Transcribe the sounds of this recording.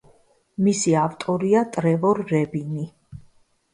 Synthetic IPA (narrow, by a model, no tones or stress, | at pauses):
misiavt̪ʼɔɾiat̪ʼɾɛvɔɾːɛbini